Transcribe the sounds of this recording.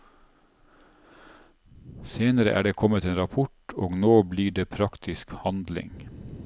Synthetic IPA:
seːnəɾə̰ʔæ̰ːɖeːkʰɔmət̪eːnɾɑpʰʊʈoːɡnoːbliːɖeːpʰɾɑkt̪ʰɪskhɑnd̪lɪ̰ŋ

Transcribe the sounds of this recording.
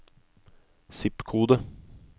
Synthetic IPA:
sɪpkʰuːd̪ə

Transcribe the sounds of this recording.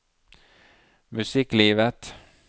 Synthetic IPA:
mɵsiːkliːvət̪

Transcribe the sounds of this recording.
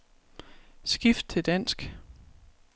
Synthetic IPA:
sɡ̥ifd̥̚t͡sʰe̝ld̥æn̰sɡ̥

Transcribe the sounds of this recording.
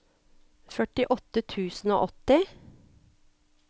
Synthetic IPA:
fœʈɪʔɔt̪ət̪ʰʉːsn̩o̰ːʔɔt̪ɪ

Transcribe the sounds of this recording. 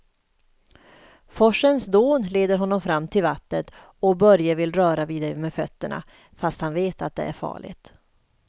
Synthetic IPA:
fɔʂənsd̪oːnleːd̪əɾɦɔnːɔmfɾamːt̪ʰɪlvat̪nət̪ | ɔbœɾjəvɪlɾœːɾaviːd̪aɾmɛːfœt̪ːəɳa̰ | fast̪hanveːt̪at̪̚d̪ɛ̰æ̰ɾfɑ̰ːɭɪ̰t̪

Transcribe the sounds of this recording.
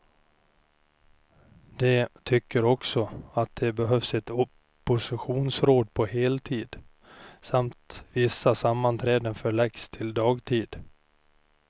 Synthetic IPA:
d̪̥ɛt̪ʰʏkːəɾɔksɔat̪̚d̪ɛbɛɦœvsɛt̪ɔ | pːʊsɪɧuːnsɾoːd̪̚pʰɔheːlt̪ʰiːd̪ | samt̪vɪsːasamːant̪ʰɾɛːd̪ənfœɭɛɡst̪ʰɪld̪ɑːɡt̪ʰiːd̪

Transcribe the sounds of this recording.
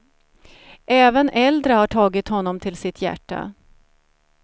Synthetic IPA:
ɛːvənʔɛld̪ɾəhaʈʰɑːɡɪt̪hɔnːɔmt̪ʰɪlsɪt̪ʰjæ̰ʈʰːa̰

